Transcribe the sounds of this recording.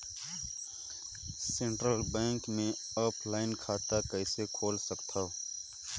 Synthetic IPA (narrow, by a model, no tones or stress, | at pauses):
sẽɳʈɾəlbɛ̃ːŋkmẽ | ɔːpʰlaːɪnkʰaːt̪akɛːsekʰoːlsəkt̪ʰa